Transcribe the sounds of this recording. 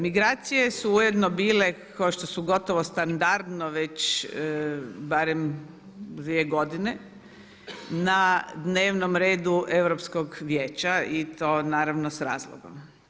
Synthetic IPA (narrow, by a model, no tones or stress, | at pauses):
miɡɾaːt̪sije̞suujed̪nobiːle̞kʰaʃt̪osuɡo̞t̪oʋost̪and̪aɾd̪noʋet͡ɕ | baɾem | d̪ʋieɡo̞d̪ine | nad̪ne̞ːʋnomɾe̞ːd̪uʔe̞ʋɾopskoɡʋjeːt͡ɕait̪o̞ːnaːɾaʋnosɾa̰ːzlˠo̰ɡo̰m